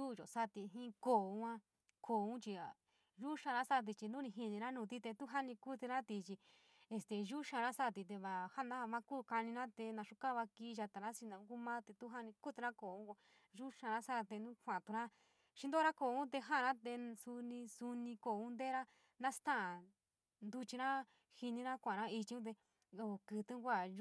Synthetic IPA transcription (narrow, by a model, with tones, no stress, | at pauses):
u˦˨ʒo̰˨sa˦t̪i˧ɦĩ˦koː˦˨u˧˦ã˦ | kʰoː˨ũ˦t͡ʃi˧a˨ | ʒu˦ʃã˧ɾã˦sa˦˧t̪̬i˧t͡ʃi˧nũ˦nĩ˧ɦi˧nĩ˧ɾã˦nũː˧t̪̬i˦t̪e˧t̪u˦ɦa˦nĩ˧ku˦t̪i˧ɾã˦t̪i˧t͡ʃi˧ | e˧st̪e˧ʒu˦ʃã˧ɾa˦sa˦˨t̪̬i˧t̪̬e˧βa˧ha˦nã˦a˧mã˦ku˦ka˧nĩ˧nã˦t̪e˧nã˧ʃu˧ka˦˧βa˧ki˧˦˧ʒa˧t̪a˨ɾã˦si˧nã˨ũ˦ku˦mã˦t̪e˧t̪u˦ɦa˦nĩ˧ku˦t̪i˧ɾã˦ko˧˨ũ˦ko˧ | ʒu˦ʃã˧ɾã˦sa˦˧t̪e˧nũ˦kʷã˨t̪u˧ɾã˦ | ʃĩ˦d̪o˦˧ɾa˦ko˧˨ũ˦t̪̬e˧ɦã˦˨˧ã˦t̪e˧su˧nĩ˧su˧nĩ˧ko˧˨ũ˦nd̪e˦ɾa˦ | nã˦st̪ã˦˨ | nd̪u˧t͡ʃi˧ɾã˦ | hi˧nĩ˧ɾã˦kʷã˨ɾã˦i˧t͡ʃi˧ũ˦t̪̬e˧ | o˧˨kɨ˧˨˧t̪u˦kʷa˦˨